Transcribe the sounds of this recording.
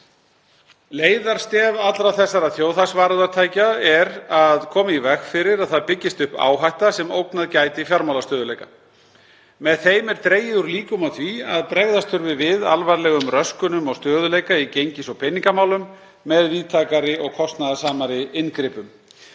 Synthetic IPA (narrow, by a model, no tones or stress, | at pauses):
leːjðaɾ̥st̪ɛːvat̪lɾawθɛsːaɾaðθjoːwθaksvaːɾaðaɾt̪ʰaːjcaɛɾaðkʰɔːmaivɛxfɪɾɪɾaðθaðpɪcːɪst̪ʏhpa̰ːwɦajht̪asɛmowknaðcajt̪ɪifjaɾmawlast̪œːðʏlejka | mɛðθejmɛɾ̥t̪ɾeːjɪðʏɾliːkʏmaθviaðpɾɛɣðast̪ʰʏɾvɪvɪða̰lvaɾlɛːɣʏmrœskʏnʏmɔɣst̪œːðʏlejkaicejɲcɪsɔwpʰɪnːiŋkamaːwlʏmː | ɛðviːðt̪ʰaːkaɾɪɔɣkʰɔst̪naðasaːmaɾɪɪnkɾɪːpʏm